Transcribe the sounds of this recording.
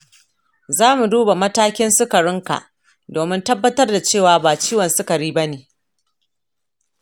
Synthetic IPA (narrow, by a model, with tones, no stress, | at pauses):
zaː˦mu˨duː˦ba˨mɐ˦taː˦kʲɪ˦nsʊ˦kɐ˨ɽɪ˦ŋka̰˨ʔ | doː˨mɪ˦ntɐ˦bːɐ˦tɐ˦rda˨t͡ʃeː˦˨waː˨˦baː˨t͡ʃiː˦wɐ˨nsʊ˦kɐ˨ɽiː˦bɐ˦neː˨